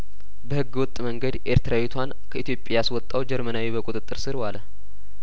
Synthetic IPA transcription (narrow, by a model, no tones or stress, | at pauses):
bəhɨɡːwʊt̪ʼːməŋɡəd̪ʔe̞̰ɾt̪ʰɾawet̪ʰwan | kʰəʔit̪ʰjo̞pʼːjaswɔt̪ʼːawd͡ʒɛɾmənawibəkʼut̪ʼɨt̪ʼːɨɾsɨɾwalə